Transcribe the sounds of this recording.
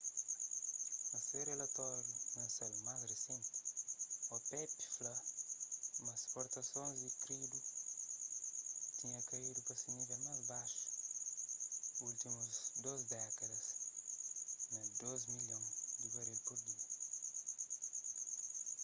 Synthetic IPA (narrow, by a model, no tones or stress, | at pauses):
ɐserɾelɐt̪ɔɾjunɐsalmazresẽnt̪ | ɔpɛpi̥flɐ | mɐspoɾt̪ɐsõnzd̪ikɾid̪u | t̪iɲɐkɐid̪upɐsemivɐmazbaʃu̥ | ult̪imuzd̪ozd̪ɛkɐd̪ɐs | nɐd̪ozmiljõŋd̪ibɐɾelpoɾd̪iɐ